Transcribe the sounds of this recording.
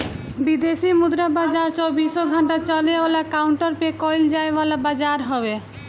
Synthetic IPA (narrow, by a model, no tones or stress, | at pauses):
bid̪eʃimud̪ɾabad͡ʑaɾt͡ɕobiʃoɡʱɔɳʈat͡ɕɔleolakawɳʈaɾpekɔjld͡ʑaebɔlabad͡ʑaɾɦɔbe